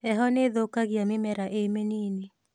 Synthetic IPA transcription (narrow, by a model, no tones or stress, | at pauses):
ɛɦɔneðokaɣjamɪmɛɾaʔemenine